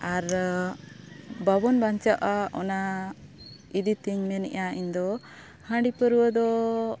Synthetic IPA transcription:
aɾ | babɔnbaɲt͡ʃaʔaʔɔ̰na | id̪it̪iɲmɛnɛ̰ʔaiɲd̪ɔ | hãɳɖipəɾuwəd̪ɔ

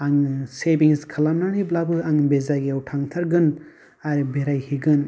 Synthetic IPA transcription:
aŋsebiŋskʰɐlamnaniblabɯaŋbezaɡiawtʰaŋtʰaɾɡɯn | aɾbeɾajhiɡɯn

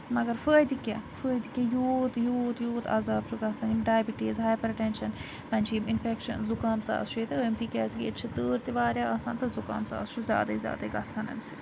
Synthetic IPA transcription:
mɐɡɐɾfəːjd̪ikʲɐ̰fəːd̪ikʲɐjoːt̪joːt̪joːt̪ʰa̰ːzaːb̚t͡ʃʰuɡɐsʰɐnimɖaːjbiʈizɦaːjpɐɾɐʈenʃɐn | pɐnʲt͡ʃʰiːminfekʃɐ̰nzukaːmt͡sa̰ːst͡ʃʰuet̪ɐəːmt̪iːkʲɛːsɡiett͡ʃʰɐt̪əːɾt̪iʋaːɾʲjaːɐːsaːnt̪ɐzuka̰ːmt͡sa̰ːst͡ʃʰuzʲja̰ːd̪ɐizʲja̰ːd̪ɐiɡɐsʰɐnɐ̰msi

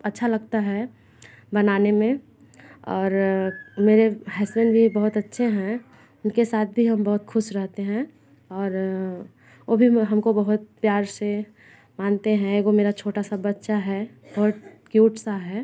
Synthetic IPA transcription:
ɐtːʃʰalɐɡt̪aɦɛ | bɐnaːnemẽ | ɔːɾmeːɾeɦɛːsmɛ̃nbʱibɐɦʊt̪ɐtːʃʰeɦɛ̃ | ʊnkesaːt̪̚ʰbʱiɦɐmbɐɦʊt̪xʰʊʃɾɛɦt̪eɦɛ̃ | ɔːɾ | ʋoːbʱiɦɐmkobɐɦʊt̪̚pjaːɾse | maːnt̪eɦɛ̃eɡomeːɾat͡ʃʰoːʈasabɐtːʃaɦɛbɐɦʊt̪kjuːʈsaɦɛː

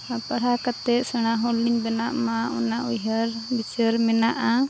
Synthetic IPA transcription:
apəɾakat̪ɛʔ̪səɽ̃aɦɔlːiɲbɛnaʔmaɔ̰naʔujɦəɾbit͡ʃəɾmɛnaʔa

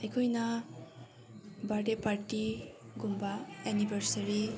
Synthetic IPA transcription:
ejkʰɔjna | baɖepaɾʈiɡumbaɛnibəɾsaɾi

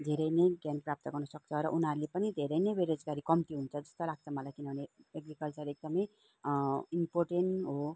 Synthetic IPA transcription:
d̪ʱeɾʌjnʌjɡjanprap̚t̪ʌɡʌrnʌsʌk̚t͡sʰʌɾʌ̰ʔunɦaɾulepʌnid̪ʱeɾʌjnʌjbeɾod͡zɡaɾikʌmt̪iɦunt͡sʰʌd͡zʌst̪olaɡ̚t͡sʰʌmʌlajkinʌɦuneeɡrikʌlt͡sʌɾek̚d̪ʌmʌj | imporʈenʈɦo

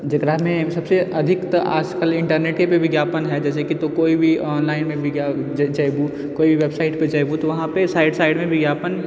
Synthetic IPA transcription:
d͡ʒɐɡɾaɦmẽsɐbseɐd̪ʱɪkt̪ʔa̰ːd͡ʒkəlɪ̃ɳʈəɾneːʈkepeʋɪɡjaːpənɦɛd͡ʒɛːs̬ekit̪okoːibʱiɔːnlaːɪnmẽʋɪɡjad͡ʒt͡ʃajbu | koːibʱiʋeːbsaːɪʈpet͡ʃajbut̪oʋɐɦãpesaːɪɖsaːɪɖmẽʋɪɡjaːpən

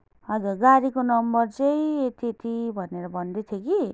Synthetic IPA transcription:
ʌd͡zʌɡaɾikonʌmbʌrt͡sʌjt̪et̪ibʱʌneɾʌbʱʌnd̪et̪ʰjeki

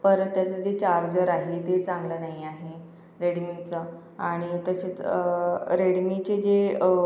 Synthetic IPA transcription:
pəɾt̪ːjat͡səd͡ʑet͡ɕaɾd͡zəɾaɦet̪et͡sãŋɡlənaɦiaɦe | ɾeɽmit͡sə | aɽ̃it̪əset͡səɾeɽmit͡ɕed͡ʑe

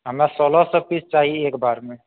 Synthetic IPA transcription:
ɦəmɾasɔlɔsəb̚pit͡ʃt͡ʃaːɦiekbaɾme

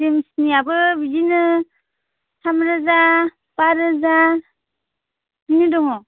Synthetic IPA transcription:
emsniabɯbid͡ʒinɯ | sʰamɾɯza | paɾɯza | binidɔŋɔ

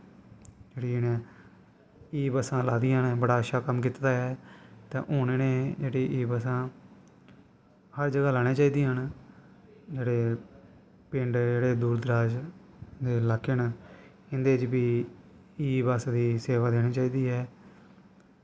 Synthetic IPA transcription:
d͡ʒeːɽiːnẽː | iːbəsãːlaːd̪iːənbəɽaːəʃaːkəmkiːt̪t̪aːɦɛːt̪ã̰ːʔoːneːneːd͡ʒeːɽiːʔiːbəsãː | həɾd͡ʒəɡaːlaːɽ̃eːt͡ʃaːiːd̪iːɦən | d͡ʒeːɽeː | pɪɳɖd͡ʒeːɽeːd̪uːɾd̪əɾaːd͡ʒd̪eːlaːkʰːɪn | ɪnd̪eːt͡ʃbiː | iːbasd̪iːseːʋaːd̪eːneːt͡ʃaːiːd̪iːɦɛː

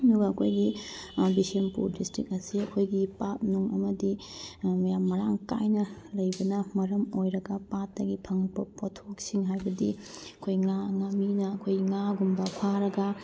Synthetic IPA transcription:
duɡɐːkʰojɡibisempṵɾdistɾik̚ɐsiɐkʰojɡipat̚nuŋɐ̰mɐdimɐjamːɐɾaŋka̰jnɐlɐjbɐnɐmɐɾɐmojɾɐɡɐpatːɐɡipʰɐŋbɐpʰotʰok̚siŋɦajbɐdiɐkʰojŋaŋaminɐːkʰojŋaɡumbɐpʰaɾɐɡɐ

